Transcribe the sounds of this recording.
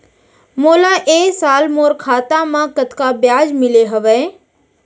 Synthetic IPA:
moːlaʔeːsaːlmoːɾkʰaːt̪ãmãːkət̪kabjaːd͡ʒmɪleɦɐʋeː

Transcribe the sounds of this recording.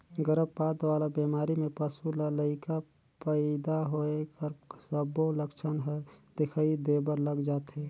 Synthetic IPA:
ɡəɾəbpaːd̪ʋaːlabemaːɾimẽpəsulləɪka | pəɪd̪aɦoekəɾsəboləkt͡ʃʰənɦod̪̥ekʰaid̪ebəɾləɡd͡ʒaːt̪ɦe

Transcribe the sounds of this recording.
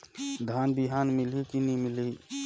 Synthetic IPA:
d̪ʱaːnbiɦaːnmɪlikinimɪli

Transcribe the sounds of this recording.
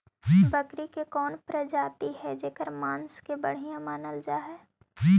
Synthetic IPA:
d͡ʒibɐkɾikekɔːnpɾɐd͡ʒaːt̪iɦɛd͡ʒeːkəɾmãːnskebɐɽ̤ijãmaːnəld͡ʒaːɦɛː | i

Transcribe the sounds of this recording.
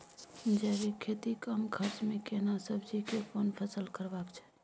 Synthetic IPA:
d͡ʒɛbikʰet̪ikəmkʰəɾsmekenasəbʱd͡ʒikepʰonpʰəsəlkəɾbakt͡ʃʰɛ̥

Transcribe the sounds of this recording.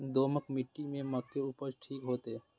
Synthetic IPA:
d̪oːməkmɪʈːimẽməkːeupət͡ʃʈʰiːkɦoːt̪eː

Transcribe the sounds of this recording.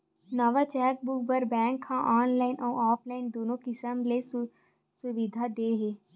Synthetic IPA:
nəʋat͡ʃɛːk̚bʊk̚bəɾbɛ̃ːŋkhãːʔaːnlaːɪnʔɔːaːpʰlaːɪnd̪oːnõkɪsəmle | sʊʋɪd̪ʱad̪eːɦeː

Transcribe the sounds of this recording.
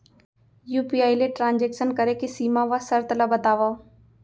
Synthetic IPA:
juːpiːaːileʈɾãːnd͡ʒeːksənkəɾekesiːmãʋasəɾt̪əlabət̪aːʋaː

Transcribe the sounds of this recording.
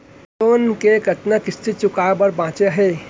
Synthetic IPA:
soːnkekət̪nakɪst̪ʰit͡ʃʊkaːbəɾbãːt͡ʃeɦeː

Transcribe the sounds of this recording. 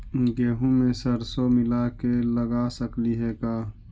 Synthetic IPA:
ɡeːɦũmẽsəɾsomɪlakeləɡaːsəkliɦɛːkaː

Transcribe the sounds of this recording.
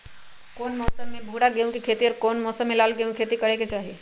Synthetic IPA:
kɔːnmɔːsəmːẽbʱuːɽaɡejũkikʰeːt̪iɔːɾkɔːnmɔːsəmːẽlaːlɡejũkʰeːt̪ikɐɽeket͡ʃaːɦie

